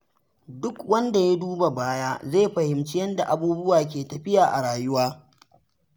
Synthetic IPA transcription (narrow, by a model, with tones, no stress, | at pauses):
dʊ˦kwɐ˦nda˨ja˦duː˦ba˨baː˦jaː˦zeː˦˨ɸɐ˨hɪ˨mt͡ʃɪ˦jɐ˦nda˨ʔa˨buː˦bʊ˦waː˨k̬ʲeː˨tɐ˨ɸɪ˦jaː˨ʔa̰˨ɽaː˨jʊ˦waː˦